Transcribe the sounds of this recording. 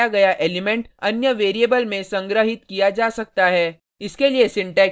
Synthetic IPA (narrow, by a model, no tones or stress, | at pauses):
aɡɐjaʔeːlɪmɛ̃ɳʈɐnjəʋeːɾieːbəlmẽsɐ̃ŋɡɾəɦɪt̪̚kijad͡ʒaːsɐk̚t̪aɦɛː | ɪskeliesɪ̃ɳʈɛː